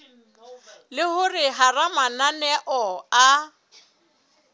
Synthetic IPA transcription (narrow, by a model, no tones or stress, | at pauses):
lɪhʊrɪɦaramananɛʔɔa